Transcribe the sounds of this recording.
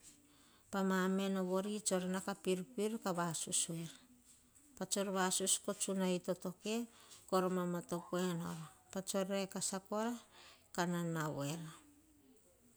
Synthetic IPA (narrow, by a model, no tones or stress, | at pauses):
pamame̞noβo̞ɾit͡ʃo̞ɾenakapiɾpiɾkaβasusueɾa | pat͡ʃoɾβasusko̞t͡ʃunaito̞to̞ke̞koɾomamato̞koeno̰ɾopat͡ʃo̞ɾekasako̞ɾakananawe̞ɾa